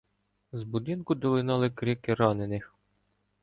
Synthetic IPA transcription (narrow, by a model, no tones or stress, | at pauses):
zbud̪ɪnkʊd̪ɔlˠɪnɑlˠɪkɾɪkɪɾɑnenɪx